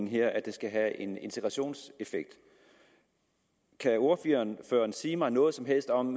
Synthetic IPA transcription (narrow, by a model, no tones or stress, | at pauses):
ŋɦeɐ̰æd̥e̝sɡ̥æɦæʔe̝ne̝nt͡sʰe̝ɡ̥ʁɑ̈ɕo̝̰ːnse̝feɡ̥̚d̥ | kʰæo̝ɐfyɐnføːɐnsiːmɑ̈ɪnɔ̽ːð̞̩ˠsɒ̽mɦel̰sd̥ɒ̽m